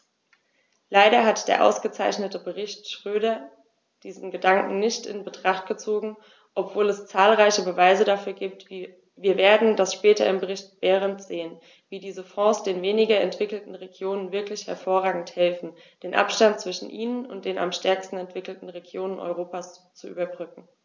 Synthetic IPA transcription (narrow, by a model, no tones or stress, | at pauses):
laɪɾɐɦatd̥eːɐʔa̰ʊsɡ̥ət͡saɪçnətəbəʁɪçtʃʁ̥øːɾɐ | d̥iːzn̩ɡədaŋkŋ̩nɪçtɪ̰nbətʁ̥aχtɡ̥ət͡soːɡŋ̩ | ʔɔpv̥oːlɛst͡saːlʁaɪçəbəvaɪzədafyːɐɡiːp̚tv | viːɐveːɐdn̩d̥asʃpɛːtɐ̰ɪmbəʁɪçt̚b̥ɛːʁ̞əntz̥eːən | viːdiːzəfɔ̃ːsd̥eːnveːnɪɡɐɛntv̥ɪkl̩tn̩ʁeɡjoːnənvɪɐklɪçhɛɐfoːɐʁaːɡŋ̩thɛlfn̩d̥eːnʔa̰pʃtant̚t͡sv̥ɪʃn̩ʔiːnənʊnt̚d̥eːna̰mʃtɛɐkstn̩ɛntv̥ɪkl̩tn̩ʁeɡjoːnənʔɔ̰ʏʁ̞oːpast͡suʔy̰ːbɐbʁʏkŋ̩